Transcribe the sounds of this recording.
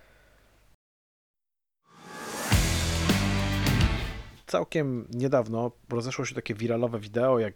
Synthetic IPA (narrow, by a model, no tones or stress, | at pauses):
t̪sa̰wkʲɛmɲɛd̪avnɔɾɔzɛʂwɔɕɛt̪akʲɛvʲiɾalɔvɛvʲid̪ɛɔjaɡ